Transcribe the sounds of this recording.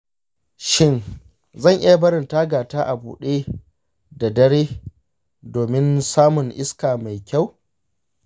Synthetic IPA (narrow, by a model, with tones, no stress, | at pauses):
ʃɪ˦n | zɐ˦˨ŋʔɪ˦ja˨bɐ˦ɾɪ˨ntaː˦ɡaː˨taː˦ʔa˨bṵː˨ɗeː˦ | da˨dɐ˦ɽeː˦ | doː˨mɪ˦nsaː˦mʊ˨ŋʔɪ˦skaː˨ma˨jkʲa˦˨w